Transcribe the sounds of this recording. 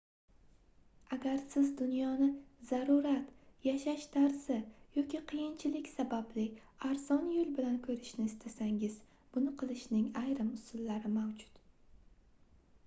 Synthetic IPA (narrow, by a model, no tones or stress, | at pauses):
aɡʲaɾsɪzd̪ʊnjɒnɪzaɾuɾat̪jaʃaʃt̪ʰaɾzɪjɒkʲiqʰɨjɪnt͡ʃʰɪlɪkʲsabablɪaɾzɒnjʊlˠbɪlankʰɵɾɪʃnɪːst̪ʰasaŋɪz̥ | b̥ʊnɪqʰɨlˠɪʃnɪŋajɾɪmʊsʊlːaɾɪmawd͡ʒʊ̥t̪